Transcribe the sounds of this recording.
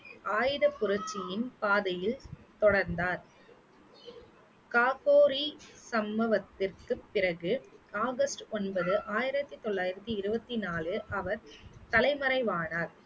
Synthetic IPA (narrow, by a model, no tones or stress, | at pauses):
ʔaːjɪðɐpːʊɾɐt͡ʃːɪjɪnpaːðɐjɪlt̪ɔɽɐɾnd̪aːɾ | kaːkoːɾisɐmbɐʋɐt̪ːɪrkɯpːɪrɐɣɯaːɣɐsʈɔnbɐðɯʔaːjɪɾɐt̪ːɯt̪ɔɭːaːjɪɾɐt̪ːɯɪɾɯbɐt̪ːinaːlɯʔɐʋɐɾt̪ɐlɐɪmɐɾɐɪʋaːɳaːɾ